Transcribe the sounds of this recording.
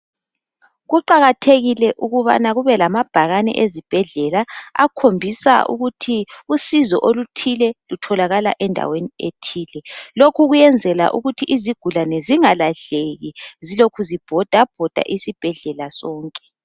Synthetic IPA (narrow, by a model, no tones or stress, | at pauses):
ɣuǃaɣatʰeɣilɛʔuɣuβa̰naɣuβɛlamab̥ʱaɣanɛ̰ʔezib̥ʱɛɮɛlaa̰kʰombʱisa̰ʔṵɣutʰiusizɔʔolutʰilɛlutʰɔlaɣala̰ʔɛndʱa̰weniḛtʰiːlɛlokʰuɣujɛnd͡zʱɛla̰ʔuɣutʰiʔiziɡ̥ʱulanɛziŋalaɮeɣizilokʰuzib̥ʱɔd̥ʱab̥ʱɔd̥ʱa̰ʔisib̥ʱɛɮɛlasɔːŋkʼɛ̥